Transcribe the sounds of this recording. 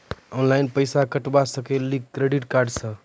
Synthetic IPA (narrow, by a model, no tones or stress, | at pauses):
ɔnlajnpəjsakəʈbasəkeliɡkːɾeɖiʈkaɾɖsə̃